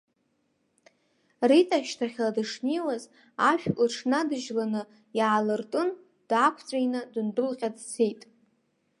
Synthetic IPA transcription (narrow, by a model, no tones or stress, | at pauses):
ritʼaʃtʰaχʲladɨʂniwaz | aʃᶣʼɨʈ͡ʂʰnadɨʒlanɨ | jaːlɨrtʼɨn | d̥akʷʰt͡sʷʼajnɨdɨndɨlqʲʼadt͡sʰejtʼ